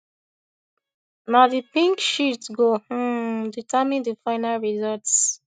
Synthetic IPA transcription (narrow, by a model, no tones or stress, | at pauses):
nadipĩŋkʃitɡo | ditʰamĩndəfaɪnalɹizɔlts